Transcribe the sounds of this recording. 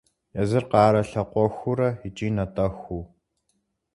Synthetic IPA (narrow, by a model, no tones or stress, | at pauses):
jɐzɨrqɑːɾɐɬɐqʷɔxʷʊɾɐit͡ʃʼiːnɐtʼɐxʷuː